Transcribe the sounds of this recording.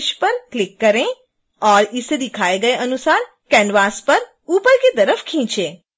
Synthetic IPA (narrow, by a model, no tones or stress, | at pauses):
ʃpəɾklɪkːəɾẽ | ɔɾised̪ikʰaeɡəeʔənusaɾ | kɛ̃ɳɖʋaspəɾ | upəɾket̪əɾəfkʰĩːt͡ʃe